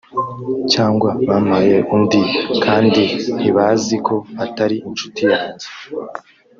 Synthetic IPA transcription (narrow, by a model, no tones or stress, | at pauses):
caːŋɡwaβaːnaje̞ʔumdikʰaːndin̥hiβazikʰo̞βataɾiint͡ʃu̥tijaːnze̥